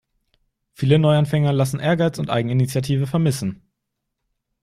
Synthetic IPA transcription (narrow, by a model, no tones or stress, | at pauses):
fiːlənɔʏanfɛŋɐlasn̩ʔeːɐɡaɪt͡sʊntʔa̰ɪɡŋ̩init͡sjatʰiːvəfɛɐmɪsn̩